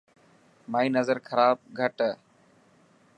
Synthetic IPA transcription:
maːĩːnəzəɾkʰəɾaːb̚ɡʱəʈ

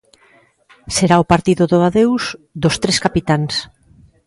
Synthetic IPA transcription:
seɾaopaɾt̪iðoðoaðewzðost̪ɾeskapit̪ans

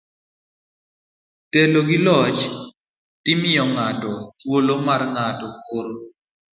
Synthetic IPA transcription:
teloɡɪlɔt͡ʃ | tɪmɪɔŋatɔt̪wolomarŋatɔkoɾ

